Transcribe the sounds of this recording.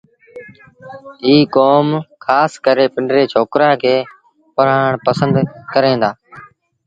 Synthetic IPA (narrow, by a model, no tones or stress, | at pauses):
ɦiːkoːmkʰaːskəɾeːpɪɳɖɾeːt͡ʃʰoːkɾãːkʰeː | pəɾ̤aːɳpəsənd̪kəɾẽːd̪aː